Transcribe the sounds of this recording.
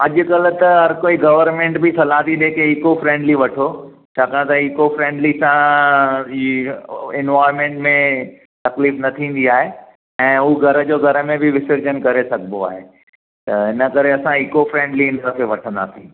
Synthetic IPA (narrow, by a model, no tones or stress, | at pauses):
ɐʄʊ̆kɐlt̪ɐɦɐɾkoːiɡɐʋəɾmẽːɳʈbɪsɐlaːt̪iɗ̪eːkʰeɪkofɾẽːɳɖliʋɐʈʰo | t͡ɕʰaːkaːɽ̃t̪aikofɾẽːɳɖlisã | ɪnʋaːɪɾmẽɳʈmẽ | t̪ɐkliːfnɐt̪ʰĩːn̆d̪iaːɦe | ɛ̃ːuːɡʱɐɾəd͡ʑoːɡʱɐɾəmẽbɪʋɪsɪɾd͡ʑənkɐɾesɐɡʱənoa̰ːɦe | t̪ɐɦɪnəkɐɾeɐsãɪkofɾẽːɳɖliɪ̃nəɾəfeʋɐʈʰə̃nd̪a̰ːsĩː